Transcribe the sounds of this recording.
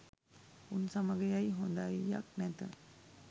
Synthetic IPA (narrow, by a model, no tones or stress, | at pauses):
unsaməɡəjajɦund̪ajja̰k̚nɛt̪ə̰